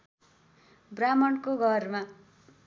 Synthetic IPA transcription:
bramʌnkoɡʱʌrma

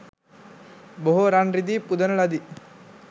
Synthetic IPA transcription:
boɦoɾanɾid̪iːpud̪ɐnɐlɐd̪i

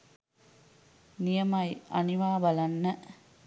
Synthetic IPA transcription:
nijɐmɐjɐ̰niʋaːbalanːə

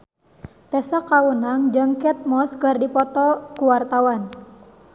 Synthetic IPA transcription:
t̪ɛsakawənaŋd͡ʒəŋkɛt̪̚mɔskərdipɔt̪ɔkuwart̪awan

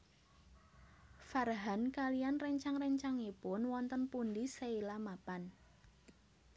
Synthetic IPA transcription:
farɦankalijanrɛɲt͡ʃaŋrɛɲt͡ʃaŋipʊnwɔnt̪ənpundiseilamapan

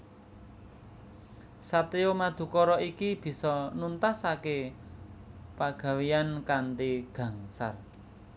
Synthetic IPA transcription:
sat̪eomad̪̥ṳkɔɾɔʔikib̥i̤sɔnunt̪asake | paɡ̥ä̤wijankant̪iɡ̥ä̤ŋsa̰r

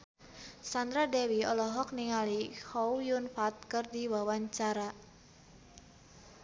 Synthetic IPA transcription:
sand̪ɾadɛwiɔlɔɦɔk̚niŋalihɔujunfat̪̚kərdiwawaɲt͡ʃaɾa

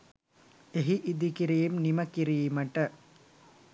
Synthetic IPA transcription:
eɦiʔid̪ikiɾijumnimɐkiɾijimɐʈːɐ

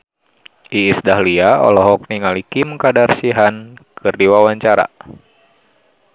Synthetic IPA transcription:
ʔiːsdahliaɔ̰lɔɦɔk̚niŋalikimkadarsiɦankʰɨrdiwawaɲt͡ʃaɾa̰

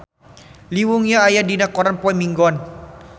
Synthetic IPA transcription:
liwuŋɲaːjadinakɔɾanpɔimiŋɡɔn

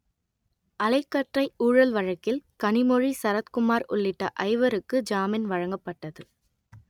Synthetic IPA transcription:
ʔɐlɐɪkːɐʈrɐɪuːɻɐlʋɐɻɐkːɪlkɐnɪmɔɻisɐɾɐt̪kʊmaːɾʊ̰ɭːɪʈːɐʔɐɪʋɐɾɯkːɯd͡ʒaːmɪnʋɐɻɐŋɡɐpːɐʈːɐðɯ

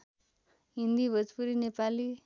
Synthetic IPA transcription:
ɦind̪ibʱʌd͡zpuɾinepali

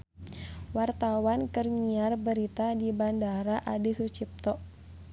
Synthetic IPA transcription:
wart̪awankərɲiarbəɾit̪adibandaɾaʔadisut͡ʃip̚t̪ɔʔ

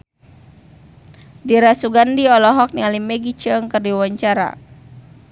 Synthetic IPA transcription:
diɾasuɡandiɔlɔɦɔk̚nialimɛɡit͡ʃəŋkərdiwaɲt͡ʃaɾa̰

